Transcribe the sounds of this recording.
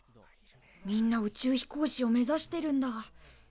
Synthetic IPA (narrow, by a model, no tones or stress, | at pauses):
mʲĩnːaɯ̟t͡ɕɨːçi̥ko̞ːɕio̞me̞zaɕi̥t̪e̞ɾɯ̟̃nd̪a